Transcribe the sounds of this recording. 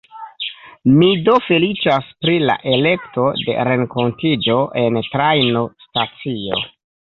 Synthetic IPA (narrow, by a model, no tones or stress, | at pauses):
mido̞fe̞lit͡ʃaspɾila̰ʔe̞le̞kto̞de̞̰ɾe̞ŋko̞ntid͡ʒo̞ʔe̞ntɾajnostat͡sio̞̰